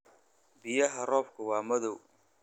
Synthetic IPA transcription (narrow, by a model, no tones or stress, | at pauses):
bɪjɐɦɐrɔːfkʰʊwɑːmɐðɔw